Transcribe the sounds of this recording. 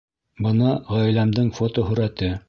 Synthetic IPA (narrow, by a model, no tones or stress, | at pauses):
bɤnɑʁæjlæmd̪ɘŋfot̪oɦɵ̆ɾæt̪ɘ